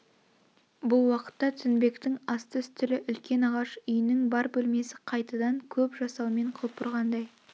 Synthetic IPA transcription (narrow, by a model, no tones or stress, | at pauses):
bʊlˠwɑqə̥t̪ːɑt̪ʰʏnbe̞kt̪ɪŋɑst̪əst̪ʰʏlɪʔʏlkʲe̞nɑʁɑʃʏjɪnɪŋbɑɾbɵlme̞sɪqʰɑjt̪ɑd̪ɑŋkʲʰɵpʒɑsɑlˠme̞ɴqʰop̚pʊɾʁɑnd̪ɑj